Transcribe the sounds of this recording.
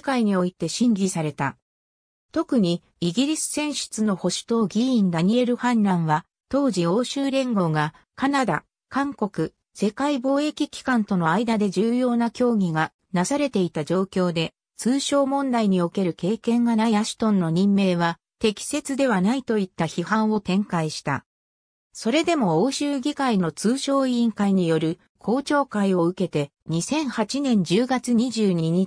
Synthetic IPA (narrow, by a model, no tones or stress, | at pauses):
kaiɲ̟io̞it̪e̞ɕĩŋɡʲisaɾe̞t̪a | t̪o̞kɯ̟ɲ̟i | iɡʲiɾʲisɨ̥sẽ̞ɰ̃ɕɨ̥t͡sɨno̞ho̞ɕi̥t̪o̞ːɡʲiĩnd̪aɲ̟ie̞ɾɯ̟hãnɾãɰ̃βa | t̪o̞ːʑio̞ːɕɨːɾẽ̞ŋɡo̞ːɡa | kanad̪a̰ | kãŋko̞kɯ̟ | se̞kaibo̞ːe̞kʲikʲi̥kãnt̪o̞no̞aid̪ad̪e̞ʑɨːjo̞ːnakʲo̞ːɡʲiɡa | nasaɾe̞t̪e̞it̪ad͡ʑo̞ːkʲo̞ːd̪e̞ | t͡sɨːɕo̞ːmõ̞nd̪aiɲ̟io̞ke̞ɾɯ̟ke̞ːkẽ̞ŋɡanaiaɕi̥t̪õ̞nːo̞ɲ̟ĩmːe̞ːβa | t̪e̞kʲi̥se̞t͡sɨd̪e̞β̞anait̪o̞it̪ːaçihãɰ̃o̞t̪ẽ̞ŋkaiɕi̥t̪a̰ | so̞ɾe̞d̪e̞mo̞oːɕɨːɡʲikaino̞t͡sɨːɕo̞ːĩːŋkaiɲ̟ijo̞ɾɯ̟ | kʰo̞ːt͡ɕo̞ːkaio̞ɯ̟ke̞t̪e̞ | ɲ̟isẽ̞ɰ̃hat͡ɕinẽ̞ɲ̟d͡ʑɨːɡat͡sɨɲ̟iʑɨːɲ̟iɲ̟i